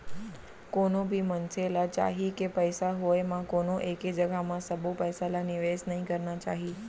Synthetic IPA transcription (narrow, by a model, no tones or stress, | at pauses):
konõbʱimənselat͡ʃa̰ɦikepəjsaɦojmãkonoʔeked͡ʒəɡʱamãsəbopəjsalaniʋesnəɦĩkəɾnat͡ʃa̰ɦi